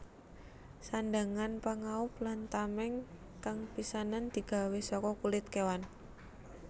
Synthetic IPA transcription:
sandaŋanpaŋaʊp̚lant̪amɛŋ | kaŋpisanand̪̥i̤ɡ̥a̤wesɔkɔkulɪt̪̚kewan

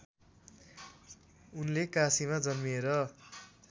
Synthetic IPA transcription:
unlekasimad͡zʌnmieɾʌ

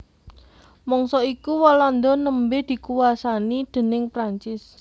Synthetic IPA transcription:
mɔŋsɔikuwɔlɔnd̪ɔnəmbed̪̥i̤kuwasanid̪̥e̤nɪŋpɾaɲt͡ʃɪs

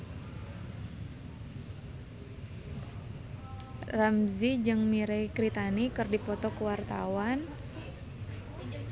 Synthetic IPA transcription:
ramzid͡ʒɨŋmiɾɛkɾit̪anikɨrdipɔt̪ɔkəwart̪a̰wan

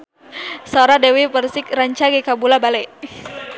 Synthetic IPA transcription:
soɾadɛwipərsɪk̚ɾaɲt͡ʃaɡekabulabalɛ

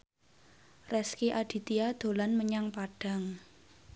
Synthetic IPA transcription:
rɛskiʔaɖ̥i̤t̪iad̪̥o̤lanməɲaŋpaɖ̥a̤ŋ

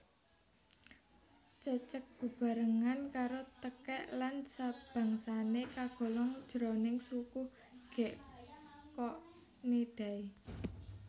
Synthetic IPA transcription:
t͡ʃət͡ʃək̚ɡ̥ṳb̥a̤ɾəŋankaɾot̪əkɛʔlansab̥ä̤ŋsanekaɡ̥ɔ̤lɔŋd̥ʒ̥ɾɔnɪŋsuku | ɡ̥ɛ̤ʔ | kɔʔ | ned̥a̤i

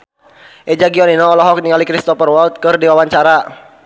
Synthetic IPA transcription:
ʔɛd͡ʒaɡiɔninɔːlɔɦɔk̚niŋalikɾist̪ɔpərwɔlt̪̚kɨrdiwawaɲt͡ʃaɾa

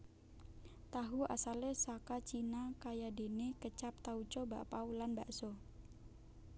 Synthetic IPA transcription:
t̪aɦua̰salesakat͡ʃinakajade̤nekət͡ʃap̚t̪aut͡ʃɔba̰ʔpaulanbaʔsɔ

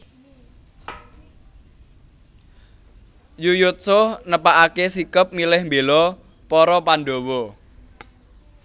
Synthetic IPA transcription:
jujʊt̪̚sʊhnəpaʔakesikəp̚milɪhmbelɔ | pɔɾɔpanɖowɔ

